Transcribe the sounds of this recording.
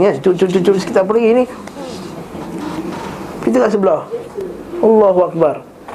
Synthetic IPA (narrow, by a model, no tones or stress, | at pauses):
ŋat͡ʃut͡ʃut͡ʃut͡ʃʊlsə̥ki̥t̪arp̬əliɡini | kit̪uŋɡaʔs̬əbəlɔh | ɑlːaɦuak̚bar